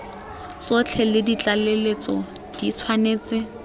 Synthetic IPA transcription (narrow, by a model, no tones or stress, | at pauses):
sot͡ɬʰɛlɪdit͡ɬalelet͡sɔd̥it͡sʰwaneːt͡sɪ